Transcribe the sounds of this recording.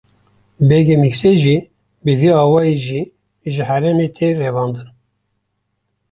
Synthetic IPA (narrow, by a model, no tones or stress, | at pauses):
bɛɡemikseʒiː | bɨviɑːwɑːjeʒiː | ʒɨhɛɾɛmet̪ʰerɛvɑːnd̪ɨn